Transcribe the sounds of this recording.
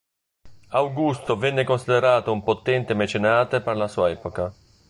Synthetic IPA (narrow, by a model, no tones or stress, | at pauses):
awɡust̪ovɛnːekonsid̪ɛɾaːt̪oumpot̪ːɛnt̪emɛt͡ʃenaːt̪epɛrlasuːaɛːpoka